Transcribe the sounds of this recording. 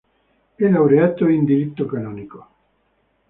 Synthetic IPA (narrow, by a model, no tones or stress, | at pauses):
elawɾeat̪oind̪iɾit̪ːokanɔːniko